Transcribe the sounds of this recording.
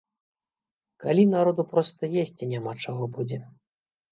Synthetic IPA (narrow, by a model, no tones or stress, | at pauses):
kalʲinaɾɔd̪upɾɔst̪ɐjesʲt͡sʲinʲamat͡ʂaɣɔbud͡zʲɛ